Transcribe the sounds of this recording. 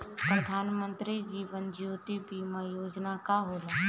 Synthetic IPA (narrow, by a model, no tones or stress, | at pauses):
pɾəd̪ʱaːnmə̃nt̪ɾid͡ʒiːʋənd͡ʒjoːt̪ibimajoːd͡ʒnakaɦoɾa